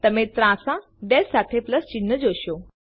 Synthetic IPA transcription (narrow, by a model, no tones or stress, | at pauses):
t̪əmẽt̪ɾãsã | ɖɛsat̪ʰepləst͡ɕinːəd͡ʑoɕo